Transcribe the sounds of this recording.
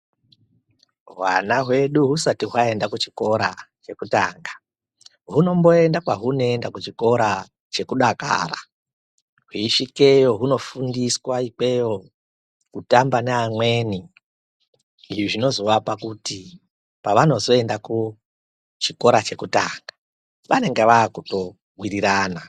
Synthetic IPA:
wa̰naɦwe̞ɗuɦusatiɦwae̞ndakut͡ʃi̥ko̞ɾat͡ʃe̞kutaːŋɡḁ | ɦuno̞mbo̞e̞ndakwaɦunoendakut͡ʃiko̞ɾa | t͡ʃe̞kuɗaka̰ːra̰ | ɦwiːʃike̞jo̞ɦuno̞fundiswaik͡pe̞jo̞ | kutambaneamwe̞ːni | ʐiʐino̞zoʋapakuti | paʋano̞zo̞e̞ndaku | t͡ʃiko̞ɾat͡ʃe̞kuta̰ːŋɡḁ | ʋane̞ŋɡeʋaːkuto̞ | ɡwiriɾaːna

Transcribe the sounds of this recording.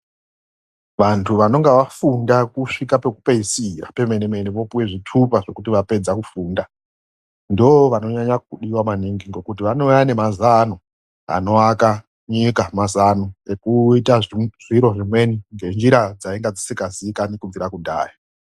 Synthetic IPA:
ʋantʰuʋano̞ŋɡeʋafundakuʂikape̞kupeisira̰pe̞menemeniʋo̞puwe̞ʐitʰupaʐo̞kutiʋape̞d͡zakufuːnda | ndioʋano̞ɲaɲak̚uɗiwamaniŋɡiŋɡe̞kutiʋano̞jane̞mazano | a̰no̞aka | ɲikamazanoekuitaʐiɾo̞ʐimwe̞niŋɡe̞nd͡ʒiɾad͡zaiŋɡad͡zisikaziikanikuviɾakudʱa̰ːja

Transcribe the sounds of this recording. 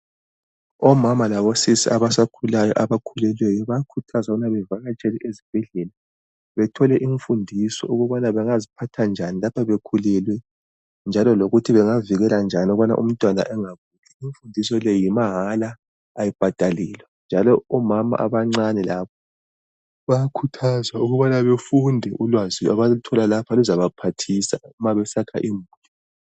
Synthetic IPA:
ɔmamalaβɔsisiaβasakʰulajɔ̰ʔaβakʰulɛlwɛjɔβajakʰutʰazaunaβɛvaɣat͡ʃʼɛlɛʔezib̥ʱɛɮɛla | βɛtʰɔlɛʔiɱfundʱisɔ̰uɣuβanaβɛŋazipʰatʰand͡ʒʱanilapʰaβekʰulɛlwɛ | nd͡ʒʱalɔloɣutʰiβɛŋaviɣɛland͡ʒʱanɔɣana̰ʔṵm̩tʼwana̰ʔɛŋaɣuːɣʰɛiɱfundʱisɔlɛjimaɦalaː | jib̥ʱad̥ʱalɛːlwɛnd͡ʒʱalɔɔmama̰ʔa̰βaŋ͡ǀanilaːpʰɔ̥ | βajkʰutʰazwauɣuβanaβefundʱɛʔulwaziaβautʰɔlalapʰaluzaβapʰatʰisaumaβɛsakʰa̰ʔimbuːtʰɔ

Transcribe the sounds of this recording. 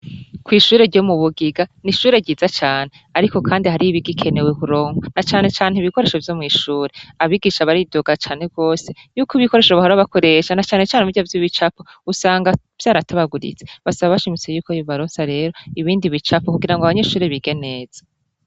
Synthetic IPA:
kwiːʃuːɾe̞ɾɟo̞muβuɡiɡaniʃuːɾe̞ɟiːzat͡ʃaːn̥e̞ | aɾiko̞kʰaːndihaɾiβiɡikʰe̞ne̞wekuɾo̞ːŋonat͡ʃaːne̞t͡ʃaːn̥heiβiko̞ɾe̞ʃo̞vjo̞mŋiːʃuːɾe̞aβiɡiːʃaβaɾidoɡat͡ʃaːn̥e̞b̚ɡo̞ːse̞ | juːkoiβiko̞ɾe̞ʃoβahoɾaβako̞ɾe̞ʃanat͡ʃaːne̞t͡ʃaːneuɟavjiβit͡ʃapo | usaːŋɡa | v̥jaːɾataβaɡuɾḭt͡se̥βasaβaβaʃimit͡sejuːkojoβaɾo̞ːnsaɾe̞ːɾo̞iβiːndiβit͡ʃapokuɡiɾaŋɡaβaɲe̞ʃuːɾeβiɡe̞ne̞ːz̥ḁ

